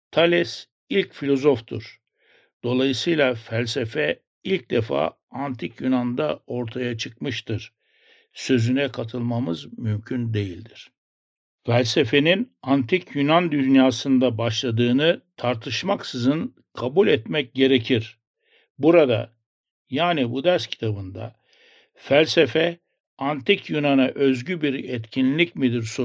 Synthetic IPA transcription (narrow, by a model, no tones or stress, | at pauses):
t̪ʰalʲɛs | ilʲcfilʲo̞zo̞ft̪ʰṵɾ̥ | d̪̥o̞lˠajɯsɯjlˠafælʲse̞fɛ | ilʲc̚d̪efa̰ː | ant̪ʰicʰjynand̪ao̞ɾt̪ʰajat͡ʃʰɯk̚mɯʃt̪ʰɯɾ | sø̞zynɛkʰat̪ʰɯlˠmamɯzmymcʰynd̪e̞jilʲd̪iɾ̥ | fælʲse̞fe̞ninant̪ʰicʰjynand̪ynjaːsɯnd̪abaʃlˠad̪ɯːnɯt̪ʰaɾt̪ʰɯʃmaksɯzɯn | kʰabulʲɛt̪mɛc̚ɟe̞ɾe̞cʰiɾ | buɾad̪a̰ | jaːnibud̪æɾscʰi̥t̪ʰabɯnd̪a̰ | fælʲsefɛ | ant̪ʰicjynanaʔø̞zɟybiɾɛt̪cʰinlʲicmid̪iɾso